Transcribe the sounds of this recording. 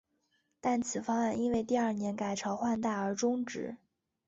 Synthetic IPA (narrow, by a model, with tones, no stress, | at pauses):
t̪a˥˩nt͡sʰɹ̩˨˩fɑ˥ŋa˥˩ni˥nwe˥˧ɪt̪i˥˧ə˞˥˩njɛ˧˥nka˨˩ɪʈ͡ʂʰɑ˧˥ʊxwa˥˧nt̪a˥˩ə˞˧˥ʈ͡ʂʊ˥ŋʈ͡ʂɻ̩̰˧˥